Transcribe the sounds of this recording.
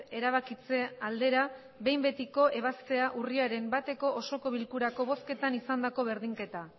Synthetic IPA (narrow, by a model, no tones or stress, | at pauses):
e̞ɾaβ̞akit͡se̞ald̪e̞ɾa | be̞jmbe̞t̪iko̞ʔe̞β̞ast̪e̞aʔuriaɾe̞mbat̪e̞ko̞ʔoso̞ko̞βilkuɾako̞β̞o̞ske̞t̪anisand̪ako̞βe̞ɾðiŋke̞t̪a